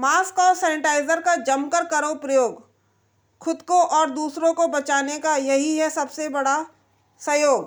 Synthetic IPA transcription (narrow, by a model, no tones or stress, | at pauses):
maːskɔːsɛːnɪʈaːɪzəɾkad͡ʒɐmkəɾkɐɾopɾɐjoːɡ | kʰʊd̪koʔɔːɾd̪uːsɾõkobɐt͡ʃaːnekajɐɦiɦɛsɐbsebɐɽa | sɐjoːɡ